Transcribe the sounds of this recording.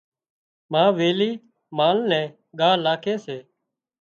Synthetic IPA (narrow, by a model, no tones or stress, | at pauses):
mãːʋeːliː | maːlnɛ̃ː | ɠaːlaːkʰeːseː